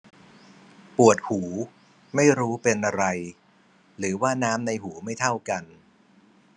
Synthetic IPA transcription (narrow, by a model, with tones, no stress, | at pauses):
pu˨˩ət̪̚huː˩˦ | ma˥˩jɾuː˦˥pe˧nʔa˧ɾa˧j | ɾɯː˩˦waː˥˩naː˦˥mna˧jhuː˩˦ma˥˩jt̪ʰa˥˩wka˧n